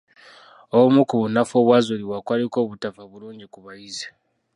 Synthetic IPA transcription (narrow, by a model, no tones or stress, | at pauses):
oβumukuβunafoːβwazuliwakwaliko̞ːβutafaβuluːɲɟikuβajize̥